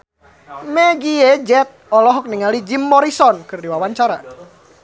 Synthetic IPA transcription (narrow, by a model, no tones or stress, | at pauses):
mɛɡiɛd͡ʒɛt̪̚ɔlɔɦɔk̚niŋalid͡ʒimːɔɾisɔnkɨrdiwawaɲt͡ʃaɾa̰